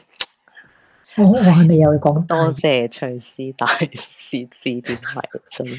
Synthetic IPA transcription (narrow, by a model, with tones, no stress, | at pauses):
a˨˧˥ŋɔː˨˧ɦɐ˨˧jmɐ˨jːɐ˧wkɔː˨˥ŋt̪ɔː˥˧˥t͡sɛː˨t͡ʃʰɵ˨˧˩siː˥t̪aː˨jsiː˨˥t͡siː˧˩t̪iː˨˥nmɐ̰˨˩jt͡sə˧˩n